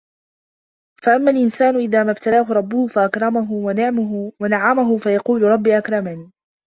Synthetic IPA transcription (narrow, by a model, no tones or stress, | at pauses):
faʔamːaːlʔɪnsaːnʊʔɪðaːmabt̪alaːɦʊɾˤɑbːʊhʊfaʔakɾˤɑmaɦʊanɪʕwanaʕamaɦʊfajɑquːlʊɾˤɑbːiːʔakɾˤɑmaniː